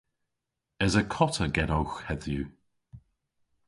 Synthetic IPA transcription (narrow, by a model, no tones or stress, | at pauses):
əzəkʰɔtʰəɡɛɾowxɛðjʉ